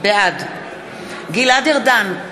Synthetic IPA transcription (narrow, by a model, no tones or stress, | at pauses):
bead̪ | ɡilad̪eʁd̪an